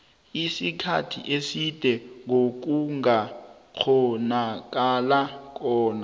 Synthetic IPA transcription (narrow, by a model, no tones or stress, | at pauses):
isikʰa̰tʰḭʔesid̥ʱɛŋok̬uŋak͡xʰɔnak̬ʼalak̬ɔːna